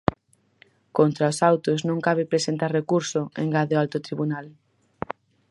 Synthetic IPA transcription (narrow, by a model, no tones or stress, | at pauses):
kont̪ɾaosawt̪ʊsnõŋkaβ̞ɪpɾesent̪aɾrekuɾsʊḛŋɡaðɪalt̪ʊt̪ɾiβunal